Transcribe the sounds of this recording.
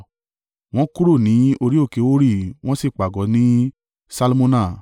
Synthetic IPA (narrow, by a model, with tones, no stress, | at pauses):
w̃ɔ̃˦ku˦ɾo˦˨nĩ˨˦o˧ɾi˦o˦˨ke˨˦o˦ɾi˦˨w̃ɔ̃˦si˦˨k͡pa˨ɡɔ˨˦nĩ˦ | sa˧lmõ˦nã˦˨